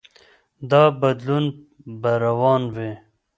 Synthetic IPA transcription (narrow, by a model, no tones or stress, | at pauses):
d̪ɑːbɐd̪lun | baɾawɑːnwe